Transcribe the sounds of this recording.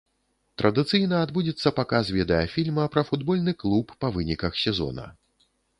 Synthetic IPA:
t̪ɾʔɐd̪ɨt̪sɨjnɐad̪bud͡zʲɛt̪sːɐpakasvʲɛd̪ɐjɐfʲilʲmɐpɾɐfud̪bɔlʲnɨklˠupːɐvɨnʲikɐxsʲɛzɔ̰nɐ̰

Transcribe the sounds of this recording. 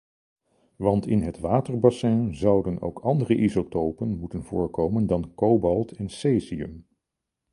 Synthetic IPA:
ʋɑntɪnɦətʋaːtəɹbasɛ̃ːnzɑwdəno̰wkɑndərəʔizotowpənmutənv̥ʊːɹkowməndɑnkowbɑlˠtʰɛnseːziə̰m

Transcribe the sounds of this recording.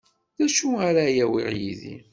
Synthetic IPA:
ðæʃuaɾajæwḭʁjḭðḭ

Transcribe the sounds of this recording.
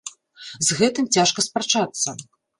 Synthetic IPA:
zɣɛt̪ɨmt͡sʲaʂkɐspɾɐt͡ʂat̪sːɐ

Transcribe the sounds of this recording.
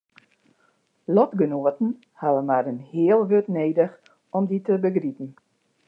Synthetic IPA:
lɔtɡənuətn̩ | haʋəmaɾənhɪəlˠɦøtneːdəx | ɔmditəbəɡripn̩

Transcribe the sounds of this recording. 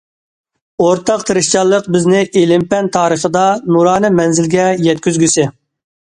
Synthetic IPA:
oɾt̪ʰɑqt̪ʰɨɾɨʃt͡ʃʰɑlˠːəqbɪznɪʔelɪmpɛnt̪ʰɑːɾəχəd̪ɑnuɾɑːnɨmɛnzɪlɡʲɛjɛt̪̚kʲyzɡʲysɪ

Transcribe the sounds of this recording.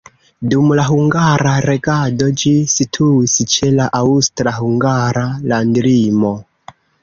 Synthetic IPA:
dumlaɦuŋɡaɾaɾe̞ɡado̞d͡ʒisitʰuist͡ʃe̞laʔaustɾahuŋɡaɾalandɾimo̞

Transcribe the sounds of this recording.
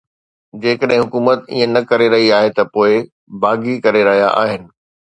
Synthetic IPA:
d͡ʑeːkəɗɦɪ̃ɦʊkuːmət̪ḭːə̃nɐkɐɾeɾɐɦiaːɦet̪ɐpoːɪ | baːɡikɐɾeɾɐɦija̰ʔa̰ːɦɪnɪ̆

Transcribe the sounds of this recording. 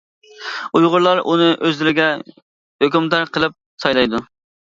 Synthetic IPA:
ujʁʊɾlˠɑɾʔunɨʔøzlɪɾɪɡʲɛ | høkʲymt̪æɾqʰəlˠɨp̚sɑjlˠɑjd̪u

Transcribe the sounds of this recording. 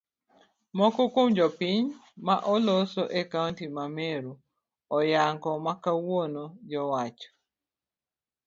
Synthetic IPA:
mɔkɔkomd͡ʒɔpiɲmaʔɔlosoʔekawntimameɾu | ɔjaŋkɔmakawonod͡ʒɔwat͡ʃɔ̥

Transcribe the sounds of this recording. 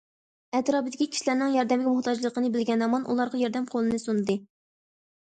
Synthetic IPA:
ɛt̪ɾɑːbɨd̪ɪkʲikʲʰi̥ʃilæɾnɪŋjɑɾd̪ɛmɪɡʲɛmʊht̪ʰɑd͡ʒlˠəqənɨbɪlɡʲɛnɑmɑnʔṵlˠɑɾʁɑjɑɾd̪ɛmqʰolˠɨnɨsunɨd̪ɨ

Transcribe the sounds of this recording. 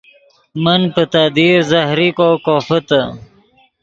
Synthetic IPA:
mənpət̪ad̪iːɾzɐhɾikoːkoːfət̪ə

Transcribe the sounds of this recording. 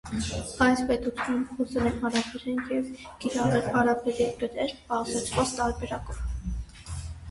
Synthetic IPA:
ɑjspɛt̪ut͡sʰjunnχɔsɛlɛnhɑɾɑpʰɛɾɛnjɛv | kiɾɑʁɛlhɑɾɑbʰɛɾɛpəɾɛɾbɑʁzɛt͡ʃʰvɔt͡st̪ɑɾbɛɾɑkɔv

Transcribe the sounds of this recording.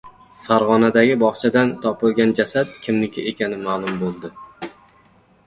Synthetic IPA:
faɾʁɒnad̪aɡʲɪbɒχt͡ʃʰad̪ant̪ʰɒpɪlˠɡʲand͡ʒasat̪̚kʲʰɪmnɪkʲʰɪʔekʲʰanɪmaːlˠʊmbolˠd̪ɪ

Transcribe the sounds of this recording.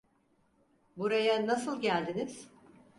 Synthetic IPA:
buɾajanasɯlˠɟælʲd̪iniz̥

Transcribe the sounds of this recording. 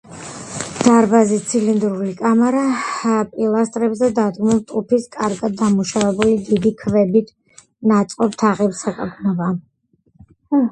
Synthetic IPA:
d̪̥aɾbazit̪sʰilind̪ɾulikʼamɛɾapʼilˠast̪ʼɾɛbzɛd̪ad̪ɡmulˠt̪ʼupʰiskʼaɾɡad̪ːamuʃavɛbulid̪id̪ikʰvɛbit̪ʰ | nat̪sʼqʼɔp̚t̪ʰaʁɛpsakʼaɡnɔba

